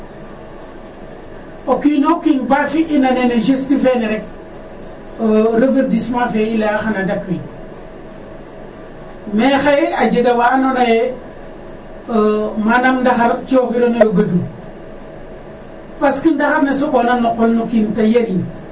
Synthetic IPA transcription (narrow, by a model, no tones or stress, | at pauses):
okinokinbafiʔinaneneʃestifeneɾek̚ | ɾəveɾtismãfeilaxanadakwin | mexajead͡ʒeɡawanonaje | manamndaxaɾt͡ʃoxiɾonojoɡadu | paskindaxaɾnesoɓonamnoqolnokintajeɾin